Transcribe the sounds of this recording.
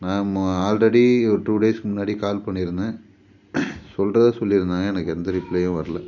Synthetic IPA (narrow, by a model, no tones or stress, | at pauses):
nãːaːlɾɛɽiɔɾʈuːɖeːskɯmʊnːaːɽikaːlpɐɳːɪɾɯnd̪ɯ | sɔlrɐðɯsɔlːɪɾɯnd̪aːŋɡɐɛnɐkːɯɛnd̪ɐɾɪplejʊ̃ʋɐɾɐlɐ